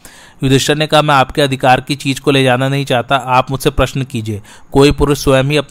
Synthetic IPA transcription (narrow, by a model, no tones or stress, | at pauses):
jʊd̪ɪʃəɾnekɐɦamɛ̃ːaːpkeɐd̪ʱɪkaːɾkit͡ʃiːd͡ʒkoleːd͡ʒaːnanɐɦĩt͡ʃaːɦt̪aʔaːpmʊd͡ʒʱsepɾɐʃnkiːd͡ʒieː | koːipʊɾəsjəmɦiɐp̚